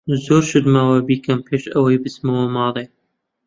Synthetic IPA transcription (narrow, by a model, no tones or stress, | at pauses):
zoːɾʃɨd̪mawabiːkɐmpʰeːʃɐwɐjbɨsmɐwɐmɑːlˤe